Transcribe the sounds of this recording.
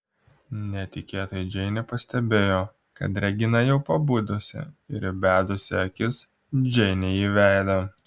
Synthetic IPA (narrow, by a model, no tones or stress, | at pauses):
nʲɛt̪ʲɪkʲeːt̪oːjɛd͡ʒʲɛɪnʲɛpɐsʲt̪ʲɛbʲeːjoː | kɐ̰t̪ɾʲɛɡʲɪnɐjɛʊpɐbuːd̪osʲɛ̰ɪɾbʲæːd̪ʊsʲɪɐkʲɪs | d͡ʒʲɛɪnʲɛjiːʋʲæˑɪd̪ɐ